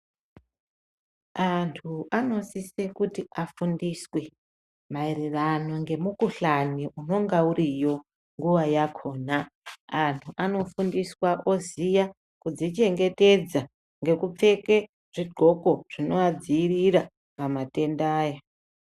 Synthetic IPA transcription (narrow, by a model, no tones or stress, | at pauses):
antʰuʔano̞sisekutiafundiswe̞ | mairirano̞ŋɡe̞mukuɬaniʔuno̞ŋɡauɾijo̞ | ŋɡuʋajakʰo̞ːnaː | ntʰuʔano̞fundiswaʔozija | kud͡zit͡ʃe̞ŋɡe̞te̞d͡za | ŋɡe̞kup͡fe̞ke̞ | ʐ̥iɡ͡ǃʱo̞ko̞ʐ̥ino̞ad͡ziːriɾa | kamate̞ndaːja